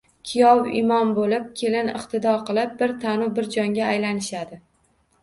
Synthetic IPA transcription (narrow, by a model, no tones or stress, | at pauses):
kʲʰijɒwɪ̰mɒmbolɪp̚kʲʰe̞lɪnɪ̰qt̪ʰɪd̪ɒɾqɨlˠɪp̚bɪɾt̪ʰanʊbɪɾd͡ʒɒŋɡʲaːjlanɪʃad̪ɪ